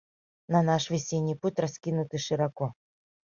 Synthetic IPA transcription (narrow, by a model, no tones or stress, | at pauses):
nɐnaʂvʲɪsʲenʲːijputʲraskʲinʊt̪ɨʂɨɾakɔ